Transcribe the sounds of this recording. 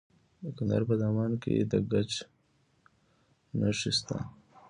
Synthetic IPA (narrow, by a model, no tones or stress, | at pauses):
kand̪a̰ɾpəzaːmɑːnkḛd̪əɡat͡ʃ | naʂist̪a̰